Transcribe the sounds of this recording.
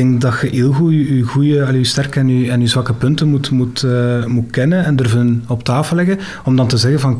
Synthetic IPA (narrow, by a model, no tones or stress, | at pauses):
ɛŋkdɑtxəʔeːlˠɣuyyɣujəɑlystɛrkəɛnyɛnyzʋɑkəpɵntənmutmutːmutkɛnənɛndɵrvəənɔptaːfəlɛɣə | ɔmdɑntəzɛɣənvɑn